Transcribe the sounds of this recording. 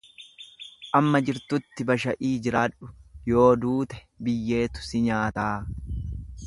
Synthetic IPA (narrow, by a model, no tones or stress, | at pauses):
ʔɐmːɐd͡ʒɪɾt̪ʊt̪ːɪbɐʃɐʔiːd͡ʒɪɾaːᶑʊjo̞ːd̪uːt̪ɛ̥ | bɪjːe̞ːt̪ʊ̥sɪɲaːt̪aː